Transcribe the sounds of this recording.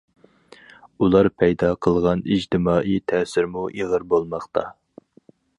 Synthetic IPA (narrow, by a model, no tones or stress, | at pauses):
ulˠɑɾpʰɛjd̪ɑqʰəlˠʁɑnid͡ʒt̪ɪmɑːʔit̪ʰɛsɪɾmuʔiʁəɾbolˠmɑχt̪ʰɑ̰